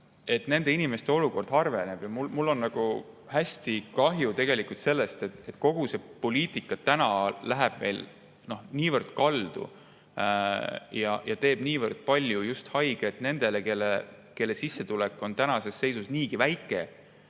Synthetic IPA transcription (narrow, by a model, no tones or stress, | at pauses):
e̞t̪ne̞nd̪̥e̞inime̞st̪e̞o̞luko̞rd̪̥ɦɑrve̞ne̞b̥jɑmulmulːo̞nːɑɡ̥u | hæsʲt̪ikɑɦjut̪e̞ɡ̥e̞likult̪se̞lːe̞st̪e̞t̪e̞t̪ko̞ɡ̥use̞po̞liːt̪ˑikːˑɑt̪ænɑlæɦæb̥me̞̰jl | no̞hniːvərd̪̥̚kɑld̪̥ṵ | jɑ̰jɑt̪e̞ːb̥niːvərd̪̥̚pɑlʲjujust̪hɑjɡ̥eet̪ne̞nd̪̥e̞leke̞lːe | ke̞lːe̞sisːet̪ulekːˑo̞nt̪ænɑse̞sːe̞jsusniːɡ̥ivæjkːˑe